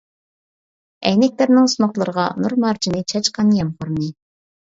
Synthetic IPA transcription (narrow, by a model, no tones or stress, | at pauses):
ɛjnɛk̚ʲlæɾnɪŋsunʊχlˠəɾəʁɑnuɾmɑɾt͡ʃʰinɨt͡ʃʰɑt͡ʃqɑnjɛmχʊɾnɨ